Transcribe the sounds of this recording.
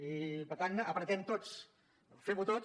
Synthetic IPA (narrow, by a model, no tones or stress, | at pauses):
ipəɾt̪anəpɾət̪ɛmt̪ot͡s | feβut̪o